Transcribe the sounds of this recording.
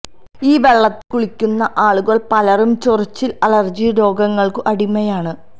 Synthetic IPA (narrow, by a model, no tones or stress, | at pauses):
iːʋe̞ɭːɐt̪ːɨkuɭikʲːunːɐʔaːɭuɣɐɭpɐlɐrumt͡ɕorit͡ɕːilɐlɐrd͡ʑiɾo̞ːɡɐŋːɐɭkɨʔɐɽimːɐjaːɳɨ